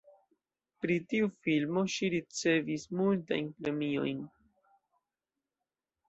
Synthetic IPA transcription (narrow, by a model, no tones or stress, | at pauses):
pɾitiufilmo̞ʃiɾit͡se̞vismulta̰jnpɾe̞mio̞̰jn